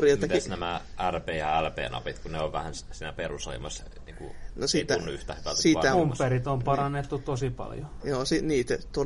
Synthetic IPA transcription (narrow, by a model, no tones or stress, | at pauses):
riemːɑt̪snæmæʔærpeːjɑælpḛːnɑ̰pit̪kuneoʋʋæhænssiːnæperuso̰imɑs | niːkunosit̪ːæunːyht̪æhʋæt̪siɑæumperit̪ompɑrɑnːet̪ːut̪osipɑ̰ljojoːsiniːt̪æt̪o